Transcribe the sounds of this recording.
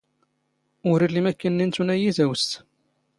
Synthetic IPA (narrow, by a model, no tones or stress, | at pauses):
ʊɾilimækːənːint̪unæjizæwəst̪